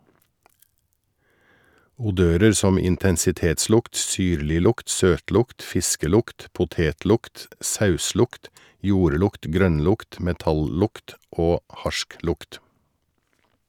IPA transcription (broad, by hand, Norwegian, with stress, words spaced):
ʊˈdøːɾəɾ ˈsɔm ɪntɛnsɪˈteːtˌslʊkt ˈsyːɾlɪˌlʊkt ˈsøːtˌlʊkt ˈfɪskəˌlʊkt pʊˈteːtˌlʊkt ˈsɑʉˌslʊkt ˈjuːɾˌlʊkt ˈɡɾœnˌlʊkt ˈmɛtɑlˌlʊkt ˈoː ˈhɑʃˌklʊkt